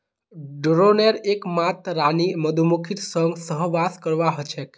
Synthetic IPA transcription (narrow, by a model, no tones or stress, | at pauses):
ɖɾoneɾekmat̪ɾaniməd̪ʱumukʰit̪səŋɡsəɦʋaskəɾʋaɦət͡ʃʰek